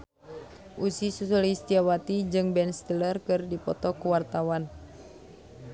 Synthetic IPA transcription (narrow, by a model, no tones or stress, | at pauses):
ʔusisusulist̪iawat̪id͡ʒɨŋbɛnst̪ilərkɨrdipɔt̪ɔkuwart̪awan